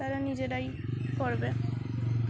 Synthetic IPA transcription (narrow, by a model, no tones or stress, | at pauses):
aɾanid͡ʑedaj | poɾbe